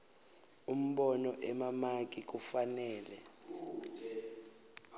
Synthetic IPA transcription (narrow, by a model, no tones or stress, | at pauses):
um̩ɓɔnɔʔɛmamak̬ʼik̬ufanɛːlɛ